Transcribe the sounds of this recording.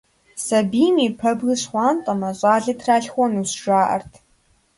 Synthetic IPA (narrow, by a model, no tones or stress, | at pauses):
sɐbiːmipʰɐbɣɨɕχʷɑːntʼɐmɐɕʷʼaːɮɐtʰraːɬχʷɔnusʒaːʔɐ̰rtʰ